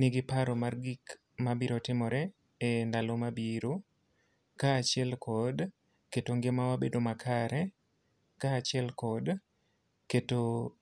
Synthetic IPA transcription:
nɪɡɪpaɾomarɡik | mabiɾotɪmɔɾɛ | endalomabiɾo | kaːt͡ʃɪɛlkʰɔd | ketoŋɡemawabedomakʰaɾɛ | kaːt͡ʃɛlkɔd | keto

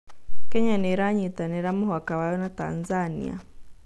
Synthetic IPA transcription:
kɛɲanɛɾaɲitanɛɾamuɦwakawajɔnata̰nzanḭa̰

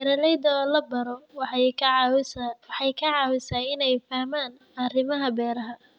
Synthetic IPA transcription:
ɾɐlɛjd̪ɐːlɐbɐɾɔj | wħɑjkʰɐʕɑwɪsaːɪnɛjfɐhmaːn | ɐrɪmɐɦɐbɛːɾɐɦɐ

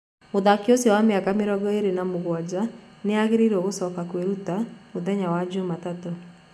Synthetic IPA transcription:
moðakiosjɔwameakameɾɔɡɔeɾenamoɣwad͡ʑa | neaɣeɾiɾeoɣosɔːkakweɾutamoðɛɲawad͡ʑomatato

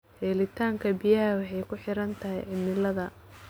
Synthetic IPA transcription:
hɛːlɪt̪ʰaːŋkʰɐbijɐɦɐwɑħɑjkʰʊħɪɾɐnt̪ʰɐɦɛjʕɪmɪlɐðɐ

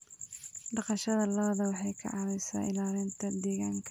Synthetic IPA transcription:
ɖɑqɑʃɐðɐlɐβɐðɐwɑħɑjkʰɐ̰ʕɑwɛjsa̰ːʔɪ̰laːlɪnt̪ʰɐd̪ɛːɣaːŋkʰɐ̥

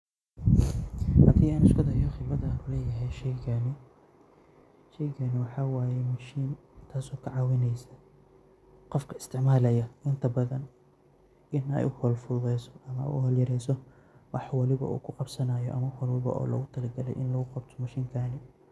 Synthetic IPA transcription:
hɐd̪iːaːnɐʃkʰɔðɐijɔχɪbɐðɐːnʊlɛːjɐɦɛjʃɛjɡɐnɪ | ʃɛjɡɐnɪwɑħɑːwaːjɛmɐʃiːn | t̪ʰaːsɔːkʰɐʕɑːwɪnɛjsɐ | qɔfkʰɐɪ̥st̪ʰɪʕmaːlɛjɐʔɪnt̪ʰɐbɐðɐn | ʔɪnɛ̰jʊhɔːlfuːðɛsɔ̥ɐmɐ̰ʊhɔːljɐɾɛjsɔ | wɑħwɑlɪβɐ̰ʔṵːkʰʊqɑbsɐnaːjɔ̰ʔɐ̰mɐhɔlwɪβɐ̰ʔɔ̰ːlɐ̰ɣʊt̪ʰɐlɐɡɐlɛ̰jʔɪnlɐɣʊqɑbt̪ʰɔ̥mɐʃiːŋkʰaːnɪ

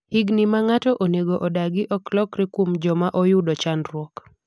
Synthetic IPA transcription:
hiɡnɪmaŋatɔʔoneɡoʔɔdaɡɪʔɔklɔkɾɪkwomd͡ʒɔmaʔɔjʊdɔt͡ʃanɾwɔk

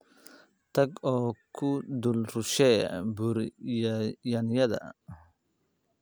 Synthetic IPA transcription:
t̪ɐɡɔkʰud̪ulɾuʃɛ̰buɾjjɐnjɐd̪ɐ̰

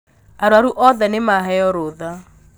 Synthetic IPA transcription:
aɾwaɾuʔɔðɛnemaɦɛjɔɾoða

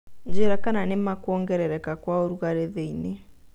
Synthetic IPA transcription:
ɲd͡ʑeɾakananemakwɔːŋɡɛɾɛɾɛkakwaoɾuɣaɾeðeine

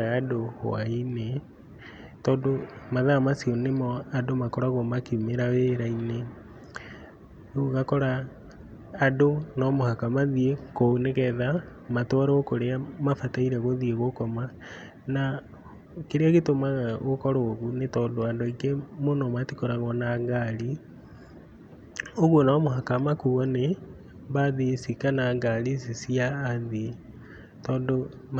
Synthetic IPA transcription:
ɣadow̰a̰ine | tɔːndomaðamasiɔnemɔadomakɔɾaɣomakiumeɾaweɾaine | oɣakɔɾaː | donɔmohakamaðiekonɛɣɛða | matwaɾaokoɾeamafataiɾɛɣoðieɣokɔma | na | keɾeaɣetomaɣaɣokɔɾoɣunetɔːndoandoikemonɔmatikoɾaɣɔnaŋɡaɾi | oɣwonɔmohakamakuɣɔnɛ | βaðisikanaːŋɡaɾisisiaːði | tɔːndo

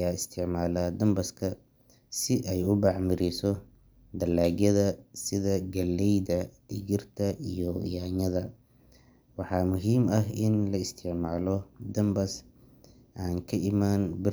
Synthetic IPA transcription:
jaːɪst̪ʰɪʕmaːlaːd̪ɐmbɐskʰɐ | sɪʔɛjʊbɑʕmɪɾisɔ | d̪ɐlaːɣjɐðɐsɪðɐɡɐlːɛjdɐɖɪɣɪrt̪ʰɐʔijɔ̰jaːɲɐðɐ | wɑħɑːmʊɦiːmɐɦɪnlɐɪst̪ʰɪʕmaːlɔd̪ɐmbɐs | ʔaːŋkʰɐʔɪmaːnbɪ

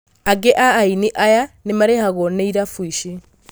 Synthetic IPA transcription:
aɡeʔaːiniʔajanemaɾehaɣonɛiɾafwiɕi

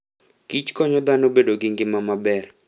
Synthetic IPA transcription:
kit͡ʃkɔɲɔd̪anobedoɡɪŋɡɪmamabɛr

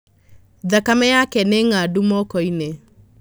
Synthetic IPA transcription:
ðakamɛjakɛneŋadumɔkɔine

